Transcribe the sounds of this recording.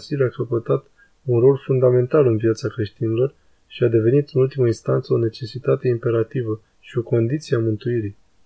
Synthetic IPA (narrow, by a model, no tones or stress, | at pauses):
silakəpət̪at̪ | unro̞lfund̪ame̞nt̪alɨnvijat̪sakɾe̞ʃt̪inilo̞r | ʃiad̪e̞ve̞nit̪ɨnult̪iməinst̪ant̪səone̞t͡ʃe̞sit̪at̪e̞impe̞ɾat̪ivə | ʃio̞ko̞nd̪it̪sieamɨnt̪uiɾi